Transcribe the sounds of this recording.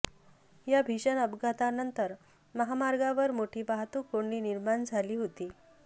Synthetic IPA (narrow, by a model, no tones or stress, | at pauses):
jabʱiɕənəbɡʱat̪anənt̪əɾ | məɦamaɾɡaʋəɾmoʈʰiːbaɦt̪ũːkoɳiːniɾmand͡zʱaliːɦot̪iː